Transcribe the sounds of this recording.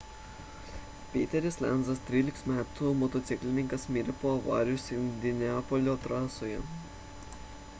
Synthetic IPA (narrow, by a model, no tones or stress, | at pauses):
pʲeːt̪ʲɛɾʲɪslʲɛnzɐst̪ʲɾʲiːlʲɪksmʲæːt̪umɔt̪ɔt̪sʲɪklʲɪnʲɪŋkɐsmʲiːɾʲɛpoːɐʋɑ̰ːɾʲɪjʊsʲɪnʲd̪ʲɪnʲɛɑːpɔlʲoːt̪ɾɑːsoːjɛ